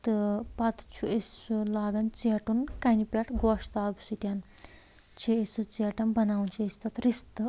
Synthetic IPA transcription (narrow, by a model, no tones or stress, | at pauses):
t̪ɨpat̪t͡ʃʰuʔesulaːɡɐnt͡seʈunkanipʲaʈʰɡɔʂt̪aːɡsut̪ʲjan | t͡ʃʰeesut͡seʈɐnbɐnaːwnt͡ʃʰiesʲt̪ɐt̪ɾist̪ɨ